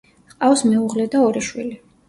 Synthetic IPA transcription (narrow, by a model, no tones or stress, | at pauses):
qʼafsmɛuʁlɛd̪aɔɾiʃwḭli